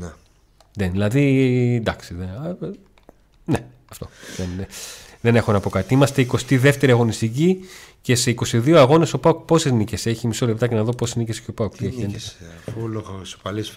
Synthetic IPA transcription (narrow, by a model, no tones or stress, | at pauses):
ne | neðilɐðind̪ɐksiðe | ne | ɐft̪o̞ðenðe̞ne̞xo̞nɐpo̞kɐt̪iimɐst̪e̞iko̞st̪iðe̞ft̪e̞ɾiɐɣo̞nist̪icice̞se̞iko̞st̪iðioɐɣo̞ne̞so̞paok̚po̞seznice̞se̞çimiso̞le̞p̚t̪ɐce̞nɐðo̞posezniceseço̞paok̚t̪ieçiend̪esfuloxoso̥pɐlis